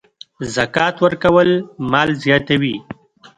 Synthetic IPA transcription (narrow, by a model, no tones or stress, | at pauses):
zakɑːt̪wəɾkɐwəlmɑːlzjɑːt̪awi